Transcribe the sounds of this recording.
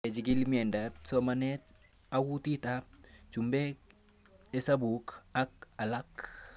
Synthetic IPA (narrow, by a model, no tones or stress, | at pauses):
ed͡ʒiɡilmiɛndat̚somanet̚ | awutitap̚t͡ʃumbek | esabukak̚alak